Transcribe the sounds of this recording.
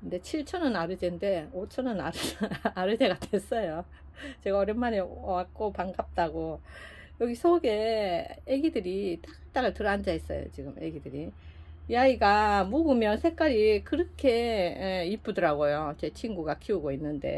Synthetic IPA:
kɯnde̞t͡ɕʰiɭt͡ɕʰʌnɯnaɾɯd͡ʑende̞ot͡ɕʰʌnɯnaɾɯaɾɯd͡ʑe̞ɡadwes͈ʌjo | t͡ɕe̞ɡaʌɾjenmaneoak̚k͈opaŋɡap̚t͈aɡo | jʌɡisʰoɡe̞jeɡidɯɾit͈aɡɯɭt͈aɡɯɭtɯɾand͡ʑaes͈ʌ̰jo̰t͡ɕiɡɯmʔeɡidɯɾijaiɡamuɡɯmjʌnsʰe̞k͈aɾikɯɾʌkʰe̞ | ip͈udɯɾaɡojot͡ɕe̞t͡ɕʰinɡuɡakʰiuɡoinːɯnde̞̰

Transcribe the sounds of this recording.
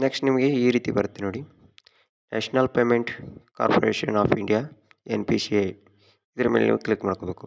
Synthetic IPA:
neksʈnimɐɡe̞iːɾiːt̪ibɐɾt̪ːinoːɽi | nḛːʂnɐlpeːmeɳʈka̰ːɾpʰoɾeːʃɐnaːpʰiɳɖijaː | enpisiej | id̪ɐɾɐmeːlenḭːʋuklikmaːɽɐkobe̞ːku

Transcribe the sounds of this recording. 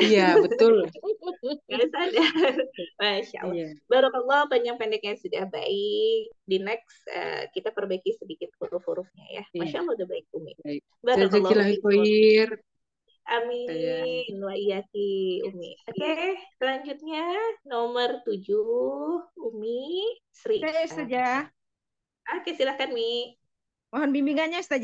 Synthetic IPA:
ijabəbt̪ʊl | ɡasada | maʃa̰ʔa̰lbaɾuɔlːɔhbaɲd͡ʒaŋpandɛkjaŋsudahba̰ɪkdinɛksə̰kit̪apərbaikisədikɪt̪̚huɾʊfuɾʊfɲa̰ja̰maʃalˠːɔudabaɪk̚umḭ | baɾud͡ʒailaɦikojir | ʔami | nwaiakiṵmḭakesəlaɲd͡ʒut̪̚ɲanomərt̪ud͡ʒuhumisəɾiʔsad͡ʒa | ʔahkisilahkanmi | maɦɔnbimbiŋaɲast̪ad͡ʒ

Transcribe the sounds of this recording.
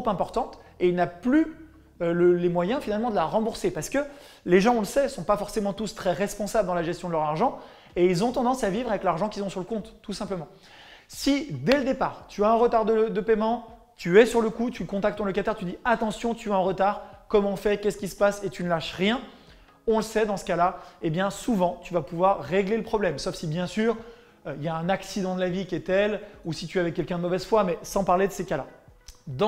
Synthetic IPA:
upɛ̃pɔʁt̪ɑ̃t̪eilnaply | øləlemwajɛ̃finalmɑ̃d̪əlaʁɑ̃buʁsepaʁsə̥kə | leʒɑ̃ɔ̃ləsɛsɔ̃pafɔʁsemɑ̃t̪ust̪χɛʁɛspɔ̃sabləd̪ɑ̃laʒɛst̪jɔ̃d̪əlœʁaʁʒɑ̃ | eilzɔ̃t̪ɑ̃d̪ɑ̃savivʁavɛklaʁʒɑ̃kʲilzɔ̃syʁləkɔ̃t̪ːusɛ̃pləmɑ̃ | sid̪ɛləd̪epaːʁt̪yaɛ̃ʁət̪aʁd̪əd̪əpɛmɑ̃ | t̪yɛsyʁləkut̪yləkɔ̃t̪akt̪ːɔ̃lɔkat̪ɛʁt̪yd̪iat̪ɑ̃sjɔ̃t̪yaɛ̃ʁət̪aʁkɔmɑ̃fɛkʲɛsəkʲisə̥paset̪ynəlaʃʁjɛ̃ | ɔ̃ləsɛd̪ɑ̃sə̥kalaebjɛ̃suvɑ̃t̪yvapuvwaʁːeɡleləpχɔblɛmsofsibjɛ̃syːʁ | øiljaɛ̃naksid̪ɑ̃d̪əlavikʲiɛt̪ɛlusit̪yavɛkʲɛlkʲɛ̃d̪əmɔvɛzfwamɛsɑ̃paʁled̪əsekalad̪ɑ̃

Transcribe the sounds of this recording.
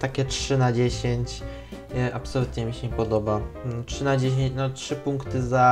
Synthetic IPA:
t̪akʲɛtʂɘnad͡ʑeɕeɲt͡ɕ | ʔapsɔlut̪ɲɛmʲiɕɛɲɛpɔd̪ɔbatʂɘnad͡ʑeɕ̬eɲt͡ɕnɔtʂɘpuŋkt̪ɘza

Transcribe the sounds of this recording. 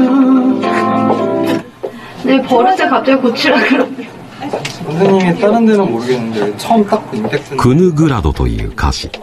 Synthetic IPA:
nepʌɾɯsʰɯkap̚t͡ɕ͈aɡikot͡ɕʰiɾaɡɯɾʌk | und͡ʑeɲimit͈aɾɯndenɯnoɡinɯndɯt͡ɕʰʌɯmt͈ak̚k͈oindek̚t͈ɯkʰɯnɯɡɯɾad̪o̞̰t̪o̰ḭɯ̟ːkʰa̰ɕi

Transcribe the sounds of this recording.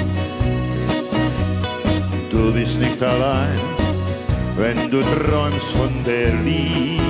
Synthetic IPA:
d̪ubɪsnɪkt̪alaɪn | vɛnd̪ut̪ɾɔʏmsfɔnd̪ɛɾli

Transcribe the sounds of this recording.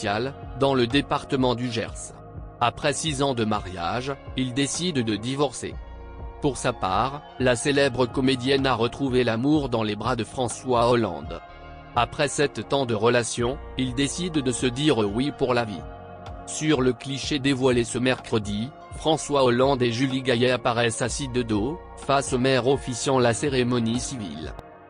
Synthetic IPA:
sjald̪ɑ̃ləd̪epaʁt̪əmɑ̃d̪yʒɛ̰ʁs | apχɛsizɑ̃d̪əmaʁja̰ʒild̪esid̪d̪əd̪ivɔʁsḛ | puʁsapaːʁ | laselɛbʁəkɔmed̪jɛnaʁət̪χuvelamuʁd̪ɑ̃lebʁad̪əfχɑ̃swaɔlɑ̰̃d̪ | apχɛsɛt̪ːɑ̃d̪əʁəlasjɔ̃ | ild̪esid̪d̪əsəd̪iʁəwipuʁlavḭ | syʁləkliʃed̪evwalesəmɛʁkχəd̪i | fχɑ̃swaɔlɑ̃d̪eʒyliɡajɛapaʁɛsasid̪əd̪o | fasomɛʁɔfisjɑ̃laseʁemɔnisivḭl

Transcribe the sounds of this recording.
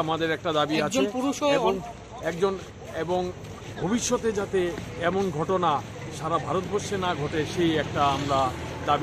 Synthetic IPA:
amad̪eɾɛk̚ʈad̪abiat͡ɕʰepuɾuʃeboŋ | ɛk̚d͡ʑon | eboŋ | bʱobiʃːot̪ed͡ʑat̪eɛmonɡʱɔʈona | ʃaɾabʱaɾot̪boɾʃenaɡʱɔʈeʃejɛk̚ʈaamɾa | d̪abi

